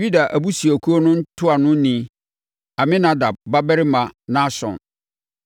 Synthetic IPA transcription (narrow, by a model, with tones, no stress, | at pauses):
i˦da˨ʔæ˨bu˦si˨æ˨kʰu˦o˦nʊ̃˦n̩˦tʰʊ˦a˨nʊ̃˦nĩ˨ | a˨mɪ̃˦nã˨da˨b̚ːa˦bɛ˦ɾɪ˦mã˨nã˦sɔ̰̃˨n